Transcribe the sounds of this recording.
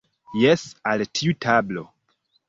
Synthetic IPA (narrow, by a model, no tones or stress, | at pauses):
jesaltʰiutʰablo̞̰